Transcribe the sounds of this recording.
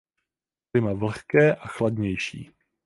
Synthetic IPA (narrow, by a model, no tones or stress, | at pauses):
ɪmavl̩xkɛːʔaxladɲɛjʃḭː